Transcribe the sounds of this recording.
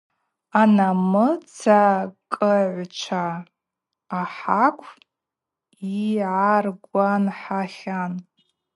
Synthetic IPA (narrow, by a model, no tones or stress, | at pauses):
anamɨt͡sʰakʼəʕʷt͡ʃʷʰaː | ħakʷʰ | iʕarɡʷanħaχʲan